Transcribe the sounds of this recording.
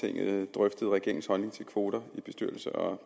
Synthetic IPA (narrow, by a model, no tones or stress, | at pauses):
e̝ŋ̰ð̩ˠd̥ʁœfd̥əð̩ˠʁɛɡ̥e̝ɐ̰ɪŋn̩shɒ̽lne̝ŋt͡sʰe̝lkʰʋo̝ːd̥ɐib̥e̝sd̥yɐl̩səɒ̽